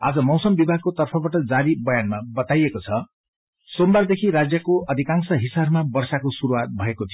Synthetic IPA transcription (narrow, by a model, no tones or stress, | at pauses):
a̰d͡zʌmʌwsʌmbibʱaɡ̚kot̪ʌrpʰʌbaʈʌd͡zaɾibʌjanmabʌt̪ajekot͡sʰʌ | sombard̪ekʰiɾad͡zjʌkoʌd̪ʱikãŋsʌɦisabmabʌrsakosuɾuat̪̚bʱʌekot̪ʰijo